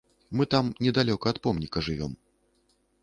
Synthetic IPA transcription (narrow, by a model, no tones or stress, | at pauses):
mɨt̪amnʲɛd̪alʲɔkɐːt̪pɔmnʲikɐʐɨvʲɔ̰m